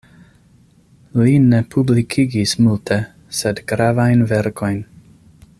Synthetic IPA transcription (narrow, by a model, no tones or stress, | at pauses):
line̞pʰublikʰiɡismultʰe̞ | sedɡɾavajnveɾko̞jn